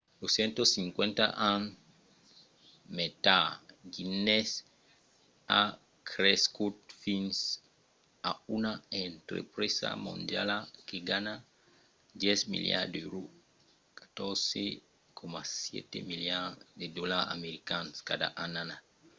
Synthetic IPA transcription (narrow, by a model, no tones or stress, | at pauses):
losjɛ̃nt̪osiŋkwẽnt̪a̰ʔan | met̪aɡines | a | kʰɾeskut̪fins | aunaent̪ɾḛpɾesa̰mõ̰nd̪ja̰lakeɡana | d̪jɛsmḭlja̰d̪eɾu | kḁt̪oɾse | kʰomasjɛ̰t̪emiljad̪ed̪ɔlaa̰meɾikanskad̪a̰ʔanana